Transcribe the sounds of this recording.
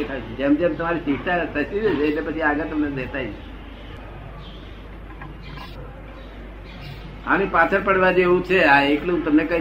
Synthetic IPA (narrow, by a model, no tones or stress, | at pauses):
et̪ʰajt͡ʃʰed͡ʒemd͡ʒemt̪əmaɾisiʈ̪at̪əsid̪et͡ʃʰeːtlepət͡ʃʰiaɡət̪əmned̪et̪ajt͡ʃʰe̥ | a̰ñipat͡ʃʰəɾpəɽʋad͡ʒeɦũt͡ʃʰeaeklũt̪əmnekə̃